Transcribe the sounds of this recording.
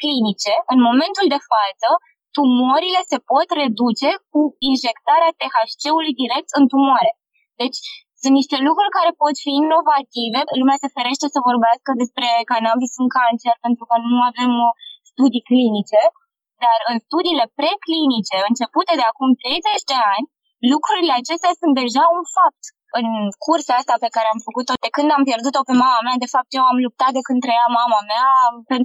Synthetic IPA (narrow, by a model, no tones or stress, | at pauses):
klinit͡ʃe̞ɨnmo̞me̞nt̪uld̪e̞fat̪sə | t̪umoɾile̞se̞po̞t̪re̞d̪ut͡ʃe̞k̚uinʒe̞kt̪aɾeat̪e̞xaʃt͡ʃe̞ulujd̪iɾe̞k̚t̪ɨnt̪umoaɾe̞ | d̪e̞t͡ʃʲsɨ̃nt̪niʃt̪e̞lukɾurʲkaɾe̞po̞t̪fiːnːo̞vat̪ive̞lumease̞feɾe̞ʃt̪e̞səvo̞rbeaskəd̪e̞spɾe̞kanabisɨŋkant͡ʃe̞rpe̞nt̪ɾukənuave̞mst̪ud̪iklinit͡ʃe̞ | d̪arɨnst̪ud̪iːle̞pɾe̞klinit͡ʃe̞ɨnt͡ʃe̞put̪e̞d̪eakumt̪ɾe̞jze̞t͡ʃd̪e̞anʲ | lukɾuɾile̞at͡ʃe̞st̪easunt̪̚d̪e̞ʒaunfap̚t̪ | ɨnkʰurseast̪ape̞kaɾe̞amfəkut̪od̪ekɨnd̪ampje̞rd̪ut̪o̞pe̞mamamead̪e̞fap̚t̪jewamlup̚t̪at̪̚d̪ekɨnt̪ɾejɾamamameapen